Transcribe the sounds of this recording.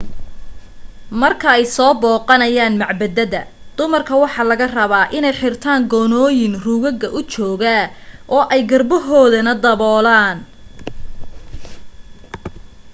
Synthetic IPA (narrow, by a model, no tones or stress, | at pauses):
mɐrkʰɐɛjsɔːbɔːqɑnɐjaːnmɑʕbɐd̪ɐðɐ | d̪̥ʊmɐrkʰɐwɑħɑːlɐɣɐrɐβaːʔɪnɛjħɪrt̪ʰaːŋɡɔnɔːjɪnruːɣɐɡɐʔʊt͡ʃɔːɣɐ | ʔɔːʔɛjɡɐrbɔɦɔːðɐnɐd̪ɐβɔːlaːn